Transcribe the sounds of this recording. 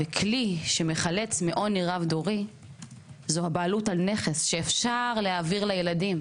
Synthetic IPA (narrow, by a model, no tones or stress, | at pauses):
vekʰliʃe̞meχale̞t͡smeʔo̞niʁavdoʁi | zohabaːlutalne̞χe̞sʃeːfʃaʁlehaviʁlaje̞ladim